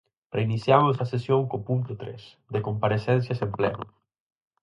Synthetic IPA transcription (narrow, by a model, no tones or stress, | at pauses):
pɾeinisjamozasesjoŋkopunt̪ut̪ɾɛ̰s | ðekompaɾesɛnsjasemplɛ̰nu